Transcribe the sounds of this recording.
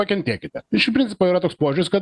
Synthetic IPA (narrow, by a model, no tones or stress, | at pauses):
ɐkʲɛnt̪ʲeːkʲɪt̪ʲɛɪʃɪpʲɾʲɪnt̪ʲɪ̥poːiːɾɐt̪oːkspoːʒʲʊɾʲɪskɐt̪